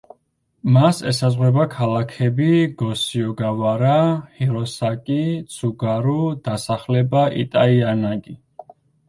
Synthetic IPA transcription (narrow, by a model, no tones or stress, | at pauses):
masɛ̰sazʁwɛbakʰalakʰɛbiɡɔsiɔɡavaɾahiɾɔsakʼit̪sʰuɡaɾud̪̥asaχlɛbaʔḭt̪ʼaianaɡi